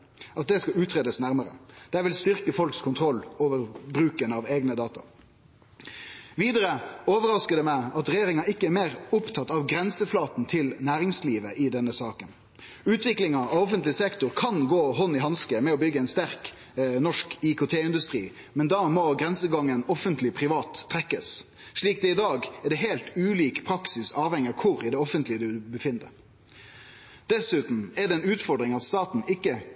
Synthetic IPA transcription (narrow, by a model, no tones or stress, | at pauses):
ɑt̪̚d̪ɛskɑʉːt̪ʰʁeːd̪əsnæɾməɾə̰d̪̥æʋɪlst̪ʏɾkəfɔlkskʰʊnt̪ʰɾɔlːoːʋəɾbɾʉːkənɑʋeːɡnəd̪ɑːt̪ɑ̰ | ʋiːd̪əɾəoːʋəɾɑskəd̪ɛmæɪɑt̪ɾɛjeːɾɪŋɑɪkːəæɾmeːʁʊpt̪ʰɑt̪ːɑʋɡɾɛnsəflɑːt̪n̩t̪ʰɪlnæːɾɪŋsliːʋəʔɪd̪ɛnːəsɑːkən | ʉːt̪ʰʋɪklɪŋɑɔɔfənt̪lɪsɛkt̪ʊɾkʰɑnɡoːɦɔnːɪɦɑnskəmɛɔbʏɡːəɛɪnst̪æɾk | nɔʂkɪkʊt̪ʰeːɪnd̪ʉst̪ɾḭː | mɛnd̪ɑːmɔɡɾɛnsəɡɑŋːənɔfənt̪lɪpʰɾɪʋɑːt̪ʰːɾɛkːəs | ʂɭiːkd̪ɛɪd̪ɑːɡɛɖ̪ɛɦeːlt̪ʉːliːkpʰɾɑksɪsɑːʋhɛŋːəkʰʊɾɪd̪ɛɔfənt̪lɪəd̪ʉbəfɪnd̪ə̰ | d̪̥ɛsʉːt̪n̩ɛɖ̪ɛɛnʉːt̪fɔɾɖ̪ɾɪŋɑt̪st̪ɑːt̪n̩ɪkːə